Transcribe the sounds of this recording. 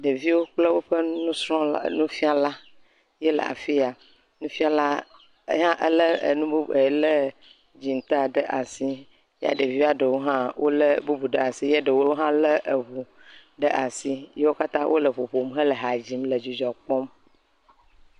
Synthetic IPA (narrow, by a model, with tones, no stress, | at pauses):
ɖə˨vi˦wo˦k͡ple˦wo˦ɸə˦nũ˦sɾɔ̃˦nũ˦fi˦a˨la˦ | je˦lə̰˨a̰˨fi˦a˨ | nũ˦fi˦a˨la˦ | ɦã˦ʔə˦lə˦ə̰˨nũ˦bu˦˨e˨lə˦ | d͡ʑi˨n˨t̪a˦ɖə˦ʔa˨si˦ | ja̰˦ɖə˨vi˦a˨ɖə˨wo˦ɦã˦wʔo˦lə˦bu˦bu˨ɖə˦a˨si˦je˦ɖə˨wo˦wo˦ɦã˦lə˦ʔə˨ɦu˨ | ɖə˦ʔa˨si˦je˦wo˦ka˦t̪ã˦wʔo̰˦lə˨ɸo˨ɸo˨mɦə˦lə˨ɦa˨d͡ʑi˦mlə˨d͡ʒi˨d͡ʒɔ˨k͡pɔ˦m